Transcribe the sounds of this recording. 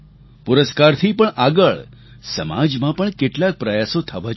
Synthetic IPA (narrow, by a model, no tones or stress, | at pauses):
puɾəskaɾt̪ʰipəɳʔaɡəɭ | səma̰d͡ʒmãpəɳkeʈlak̚pɾəjasot̪ʰəʋat͡ʃ